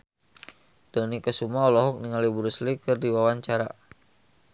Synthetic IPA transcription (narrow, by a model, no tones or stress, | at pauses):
d̥ənikəsumaɔlɔɦɔk̚niŋalibuɾuslikɨrdiwawaɲt͡ʃaɾa̰